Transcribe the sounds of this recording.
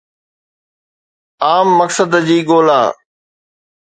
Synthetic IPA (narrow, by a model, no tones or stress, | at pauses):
aːmːəksəd̪d͡ʑiːɠoːla̰ː